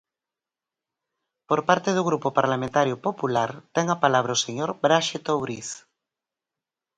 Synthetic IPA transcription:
poɾpaɾt̪eðuɣɾupopaɾlamẽnt̪aɾjopopulaɾt̪ɛŋapalaβ̞ɾaoseɲoɾbɾaʃet̪owɾiθ

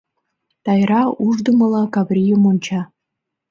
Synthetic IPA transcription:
t̪ɑjrɑuʐd̪əməlˠɑkavrʲijəmonʲt͡ɕʰɑ

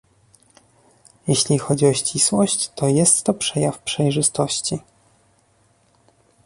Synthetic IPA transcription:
jɛɕlʲixɔd͡ʑiɔɕt͡ɕiswɔɕt͡ɕt̪ɔjɛst̪ːɔpʂɛjafpʂɛjʐɘst̪ɔɕt͡ɕi

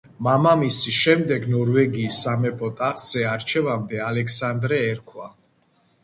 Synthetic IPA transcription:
mamamisiʃɛmd̪ɛɡnɔɾvɛɡiːsːamɛpʼɔt̪ʼaχz̥ɛaɾt͡ʃʰɛvamd̪ɛalɛkʰsand̪ɾɛːɾkʰwa

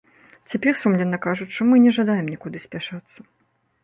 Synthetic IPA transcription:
t͡sʲapʲɛrsumlʲɛnːɐkaʐut͡sʲʂɔmɨnʲɛʐad̪ajɛmnʲɛkud̪ɨsʲpʲaʂat̪sːɐ̥

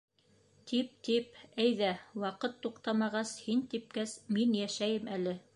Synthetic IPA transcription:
t̪ʰip̚t̪ip̚æjðæwɑqɤt̪ːuqt̪ɑmɑʁɑshint̪ip̚kæsminjæʃæjɘmælɘ

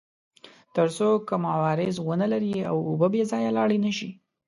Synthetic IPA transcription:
t̪əɾsokəmawɑɾɪzwənəlaɾia̰wobəbezɑjalɑɽinəʃi

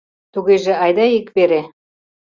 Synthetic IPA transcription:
t̪uɣeʒĕɑjd̪ɑikβeɾe

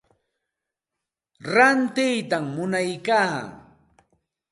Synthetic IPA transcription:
ɾant̪ɪjt̪amːʊnajkaː

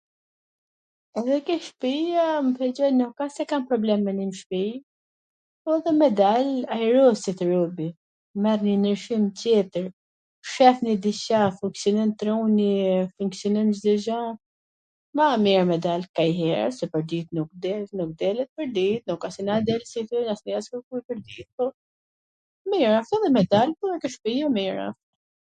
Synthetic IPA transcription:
ɛðɛkəʃpiaməfɛd͡ʒɔjnɔkasɛkanpɾɔblɛmːɛnimʃpi | ɔðɛmɛd̪alajɾɔsit̪əɾɔbi | mɛɾninəɾʃimcjɛt̪əɾ | ʃɛθnid̪iʃafuŋksjɔnɛnt̪ɾunifuŋksjɔnɛmd͡ʒd̪id͡ʒa | mamɛɹmɛd̪alkajɦɛ̰ɾsɛpəɾd̪it̪nuk̚d̪ɛlnuk̚d̪ɛlɛt̪̚pəɾd̪it̪̚nɔkasinad̪ɛlsifɛnasniaskəɾkujpəɾd̪it̪̚pɔ | mɛjɾafɛðˤɛmɛd̪alpukəʃpijɔmɛɾa̰f

